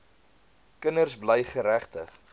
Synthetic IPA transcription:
kənərsbləjχəɾæχtəχ

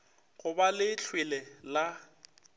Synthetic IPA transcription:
ɣʊbalɪt͡ɬʰwɪlɛla

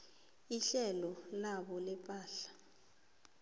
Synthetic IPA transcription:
iɬɛlɔlaɓɔlɛpʼaːɬḁ

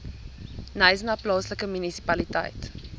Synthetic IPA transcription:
nəjznɑːplɑːsləkəmynisi̥pɐlitɐ̰jt

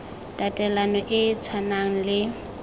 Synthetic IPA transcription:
tʼatʼɛlanɔʔɪt͡sʰwanaŋ̩lɪ

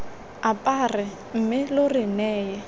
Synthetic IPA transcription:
apʼarɪ | m̩mɪlʊrɪnɛːjɛ

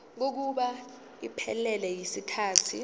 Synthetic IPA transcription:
k̬ok̬uɓa | ipʰɛ̰lɛlɛjisikʰaːtʰi

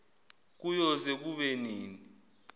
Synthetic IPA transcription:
k̬ujɔzek̬uɓeniːni

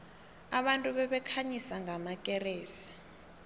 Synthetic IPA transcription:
aɓantʼuɓɛɓɛkʰaɲisaŋɡʱamakʼɛreːsi̥

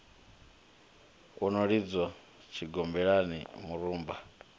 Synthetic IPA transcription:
unoɺid͡zwa | t͡ʃʰiɡɔmbɛɺanḭmuɾuːmba

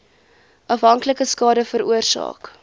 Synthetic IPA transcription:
ʔɐfɦɐŋkləkəskɑːdəfəɾuərsɑ̰ːk

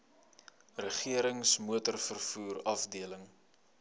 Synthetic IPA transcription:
rəχiəɾəŋsmuətərfərfuːrɐfdiələŋ

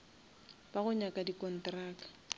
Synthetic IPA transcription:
b̥aɣʊɲakʼadikʼɔn̩traːk

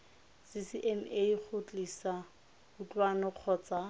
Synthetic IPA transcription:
sɪsɪʔɛmek͡xʰʊt͡ɬʼisa | ʊt͡ɬʼwanɔq͡χʰɔːt͡sa

